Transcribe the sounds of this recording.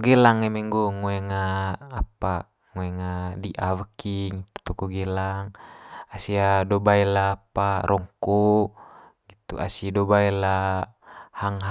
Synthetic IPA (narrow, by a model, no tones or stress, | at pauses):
ɡɛlaŋemɛŋɡɔŋɔɛŋaːpa | ŋoɛŋadiʔavəkiŋt̪u̥t̪ukɔɡɛlaŋasiadɔbaɛlaːpaɾʔɔŋkɔ | ɡit̪ṵʔa̰sidɔbaɛla | haŋɦ